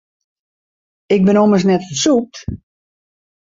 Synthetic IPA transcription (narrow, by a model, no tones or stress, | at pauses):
ɪk̚bɪnoməs̬nɛtfəsup̚t